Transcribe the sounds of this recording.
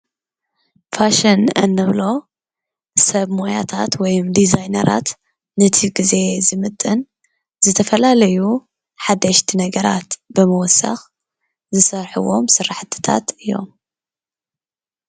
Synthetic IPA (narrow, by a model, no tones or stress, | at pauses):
faʃɨnɐ̰nːɨβlo̞ | sɐβmojat̪ʰat̪wɔjumd̪izajnɐ̰ɾʔa̰t̪ | nɨt̪ʰiɡɨze̞zɨmɨt̪ʼːɨn | zɨt̪ʰɐfɐlalɐju | ħad̪ːɐʃt̪ʰinɐɡɐɾa̰t̪bɨmɐwɔsːa̰x | zɨsɐɾħuwo̞msɨrːaħt̪ʰɨ̥t̪ʰa̰t̪ɨjːo̞̰m